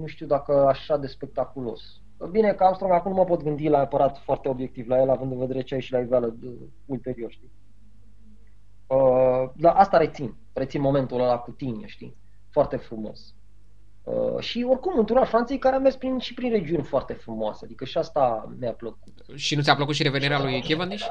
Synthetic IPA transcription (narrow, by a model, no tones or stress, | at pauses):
nuʃt̪iwd̪akəaʃad̪e̞spe̞k̚t̪akulo̞̰s | əbinekamst̪ɾomakumnuməpo̞t̪ɡɨnd̪ilaapəɾat̪foart̪eo̞bjek̚t̪ivlajelavɨnd̪ɨnve̞d̪eɾe̞t͡ʃeajeʃilaivaləə | ult̪e̞ɾio̞rʃt̪i | əd̪aʔast̪aɾe̞t̪sin | ret̪inmo̞me̞nt̪ulolakut̪inʲḛʃt̪ḭ | foart̪e̞fɾumo̞̰s | ə̰ʃio̞rkumɨnt̪uɾalfɾant̪sijejkaɾeamerspɾinʃipɾinre̞d͡ʒiunʲfoart̪e̞fɾumoa̰sead̪ikəʃiast̪amjapləkut̪ | ʃinut̪ʲapləkut̪ʃiɾeveniɾealujkʲevand̪iʃ